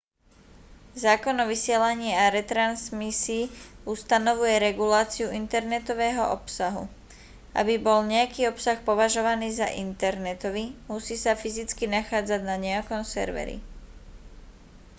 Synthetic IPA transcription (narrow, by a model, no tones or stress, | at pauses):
zaːkɔnɔʋisɪɛlaɲiːaɾɛt̪ɾansmisiːust̪anɔʋujɛɾɛɡulaːt͡siuʔint̪ɛɾnɛt̪ɔʋɛːɦɔ̰ʔɔpsaɦṵ | ʔa̰bibɔlɲɛjakiːɔpsaxpɔʋaʒɔʋaniːza̰ʔint̪ɛɾnɛt̪ɔʋimusiːsafizit͡skinaxaːd͡zaɟnaɲɛakɔmsɛ̰ɾʋɛ̰ɾḭ